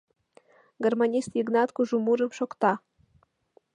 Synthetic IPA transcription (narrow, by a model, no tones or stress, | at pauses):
ɡormanʲist̪jiɡnɑt̪kuʒumuɾə̆mʃokt̪ɑ